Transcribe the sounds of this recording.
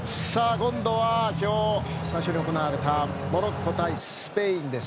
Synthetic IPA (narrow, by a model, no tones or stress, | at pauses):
ssaːkõ̞nd̪o̞βakʲo̞ː | saiɕo̞ɲ̟io̞ko̞naaɾe̞t̪a | mo̞ɾokʰːot̪aisɨ̥pe̞ĩnd̪e̞s